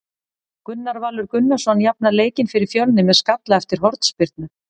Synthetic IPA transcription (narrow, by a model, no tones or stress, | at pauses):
kʏnːaɾvaːlʏɾkʏnːasɔnjapnaleːjcɪnfɪɾɪɾ̥fjœlnɪmɛðskat̪laɛft̪ɪɾ̥ɦɔɾt̪spɪɾt̪̚nʏ